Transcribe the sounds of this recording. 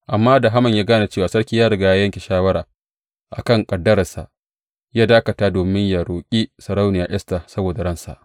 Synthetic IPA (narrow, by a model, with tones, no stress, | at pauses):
ʔa˨mːaː˦da˨ɦa˦mɐ˨ɲjaː˦ɡaː˦na˨t͡ʃeː˦˨waː˨sɐ˦ɾkʲiː˦jaː˦ɽʊ˦ɡa˨ja˦jɐ˦ŋkʲe˨ʃaː˦wɐ˦ɾaː˨ | ʔa̰˨kɐ˦˨ŋkʼɐ˨dːɐ˦ɾɐ˨sa̰˨ʔ | jaː˦daː˦kɐ˨taː˦doː˨mɪ˦ɲja˨ɾoː˨kʲʼi˦sɐ˨ɾa˦wnɪ˨jaː˨ʔɛ˦sta˨sɐ˦boː˨da˨ɽɐ˦nsa̰˨ʔ